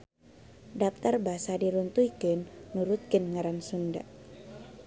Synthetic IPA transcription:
dap̚t̪arbaɦasadiɾunt̪uikənːuɾut̪̚kənŋaɾansunda̰ʔ

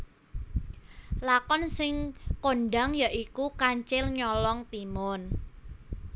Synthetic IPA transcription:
lakɔnsɪŋkoɳɖaŋjaʔikukaɲt͡ʃɪlɲɔlɔŋt̪imɔn

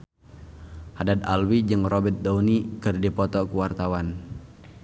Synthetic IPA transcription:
hadad̪̚alwid͡ʒɨŋrɔbɛt̪̚daunikɨrdipɔt̪ɔkuwart̪awan

